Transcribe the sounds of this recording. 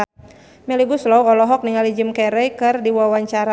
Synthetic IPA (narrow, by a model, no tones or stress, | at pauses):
mɛliɡuslɔwɔlɔɦɔk̚niŋalid͡ʒəmkɛɾɛjkɨrdiwawaɲt͡ʃaɾa